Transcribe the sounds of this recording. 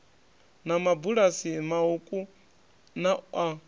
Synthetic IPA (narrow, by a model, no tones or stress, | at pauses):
namabuɺasimaukʼu | naa